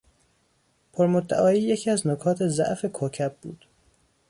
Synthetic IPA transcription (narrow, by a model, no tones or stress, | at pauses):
pʰoɾmod̪ːæ̰ʔɒːiːjecʰiːæznokʰɒːt̪ʰezæ̰ʔfe̞kʰoːcʰæb̚bṵːd̪̥